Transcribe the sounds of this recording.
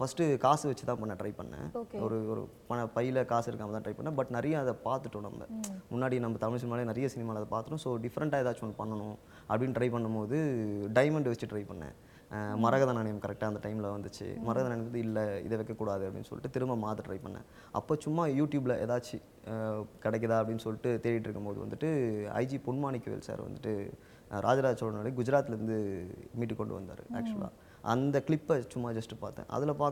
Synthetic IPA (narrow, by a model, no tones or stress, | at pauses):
fɐsʈɯkaːsɯʋɐt͡ʃːɯt̪ãːpɐɳːɐ̃ʈɾɐɪʋpɐɳːɐ̰̃kɔɾɯɔɾɯ̰ | pɐnɐpɐjɪlɐkaːsɪɾɯkːaːmɐt̪ãːʈɾɐɪpɐ̰ɳːɐ̃bɐʈːnɐɾɪjɐɐðɐpaːɾt̪ɯʈːʊ̃ːnɐ̰mbɐ̰mʊnːaːɽinɐmbɐt̪ɐmɪɭsɪnaːlenɐɾɪjɐsɪnɪmaːlɐðɐpaːɾt̪ɯʈːʊ̃soːɖɪfɐɾɐɳʈaːɛðaːɾt͡ʃːkɔnːɯpɐɳːɐɳʊ̃ | ʔɐpːɐɽɪnːʈɾɐɪpɐɳːɯmpoːðɯɖɐɪmɐɳɖʋɐsɪt͡ʃːɯʈɾɐɪpɐɳːɐ̰̃ | mɐɾɐɣɐðanɐnɪmɐkɐɾɛk̚ʈaːɐnd̪ɐʈɐɪmɪlɐʋɐnd̪ɯt͡ʃːɯ̰mɐɾɐɣɐðnɐnɪoːðɯɪlːɛɪ̰ðɛʋɛkːɐkːuːɽaːðɯɐpɐɽɪ̰nːɯsɔ̰lɪʈːɯt̪ɪɾɯmɐmaːt̪ɯʈɾɐɪpɐɳːɛ̰̃ | ʔɐ̰pːoːt͡ʃʊmːaːjuːʈjuːblɐʔɛ̰ðaːt͡ʃːi | kɐɽɛɪkːɐðaːɐpɐɽɪnːɯsɔlːɪʈːɯt̪eːɾɪjɪʈːɪɾɯkːɐmpoːðɯʋɐ̰nd̪ɯʈːɯɐ̰ɪd͡ʒipʊɳmaːɳɪkːɯʋḛːlsa̰ːɾʋɐ̰nd̪ɯʈːɯ | ɾʔaːd͡ʒaɾaːd͡ʒsɔlɐnaːɭiɡʊd͡ʒɪɾaːt̪ːɪlɐɾɯnd̪ɯmiːʈːɯkːɔɳɖɯʋɐ̰nd̪a̰ːɾɯ̰ʔæ̰ːk̚t͡ʃuɐ̰la̰ː | ʔɐnd̪ɐkɭɪpːɐt͡ʃʊmːaːd͡ʒɐsʈɯpaːɾt̪ːḛ̃ːʔɐ̰ðɪlɐpaːɾ